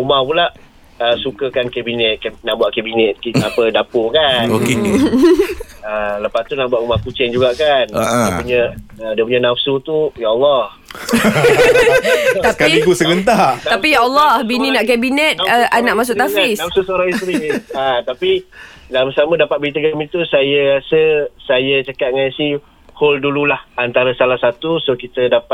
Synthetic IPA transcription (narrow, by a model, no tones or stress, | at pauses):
umahpulaʔ | əsukəkankɛbinɛt̪̚knaʔbuaʔ̪̚kabinɛt̪̚kit̪aapədapokanok | ələpast̪unaʔbuaʔ̪umahkut͡ʃɛŋd͡ʒuɡaʔkandəpuɲaədiəpuɲanafsut̪ujaʔalːɔh | t̪apkalikusəɡənt̪ataapijaʔɑlːɔhbininaʔkabinɛt̪̚əʔanaʔmas̬ʊʔt̪afaisnafsusoɾaŋist̪ɾiət̪apidalamsamədapat̪̚bəɾit̪̬əkamit̪usajəɾasəsajət͡ʃəkat̪̚ŋajsih | holdululahant̪aɾəsalahsat̪usokit̪ədapa